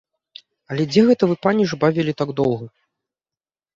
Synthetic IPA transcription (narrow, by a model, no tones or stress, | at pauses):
ɐlʲɛd͡zʲɛɣɛt̪ɐvɨpanʲiʐbavʲilʲit̪aɡd̪ɔwɣɐ